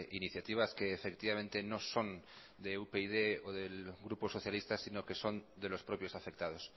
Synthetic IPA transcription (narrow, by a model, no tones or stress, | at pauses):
ʔiniθjat̪iβ̞aske̞ːfe̞kt̪iβamẽnt̪e̞no̞so̞n | d̪eupeiðe̞oðe̞lɣɾuposo̞θjalist̪asino̞ke̞so̞nd̪e̞lo̞spɾo̞pjo̞safe̞k̚t̪að̞o̞s